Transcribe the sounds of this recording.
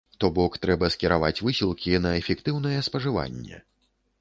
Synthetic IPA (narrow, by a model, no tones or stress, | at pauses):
t̪ɔbɔkt̪ɾɛbɐskʲɛɾavat͡sʲvɨsʲilˠkʲinɐɛfʲɛkt̪ɨwn̪ɐjɛspɐʐɨva̰nʲːɛ̰